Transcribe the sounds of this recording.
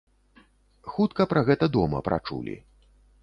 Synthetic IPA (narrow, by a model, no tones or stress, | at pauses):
xut̪kɐpɾɐɣɛt̪ɐd̪ɔmɐ̰pɾa̰t͡ʂṵlʲḭ